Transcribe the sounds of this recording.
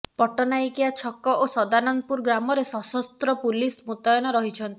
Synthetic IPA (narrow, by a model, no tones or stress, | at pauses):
pɔʈɔnajikijat͡ʃʰɔkɔʔosɔd̪anɔnpuɾɡɾamɔɾesɔsɔst̪ɾɔpulismut̪ɔjɔnɔɾɔɦit͡ʃʰɔnt̪i